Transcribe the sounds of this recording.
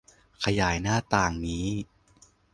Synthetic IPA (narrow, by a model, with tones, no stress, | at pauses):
kʰa˧jaː˩˦jnaː˥˩t̪aː˨˩ŋniː˦˥